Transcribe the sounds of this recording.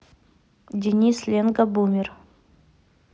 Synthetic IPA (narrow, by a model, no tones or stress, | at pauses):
dʲɪnʲislʲenɡɐbumʲɪr